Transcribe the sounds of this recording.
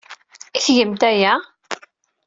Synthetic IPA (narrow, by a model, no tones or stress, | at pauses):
içʝəmt̪æjæ